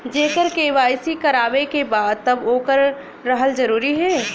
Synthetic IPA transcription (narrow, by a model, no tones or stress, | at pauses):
d͡ʒeːkəɾkeʋaːɪsikɐɾaːʋekebaːd̪̚t̪ɐboːkəɾː | əɦəld͡ʒəɾuːɾiɦɛː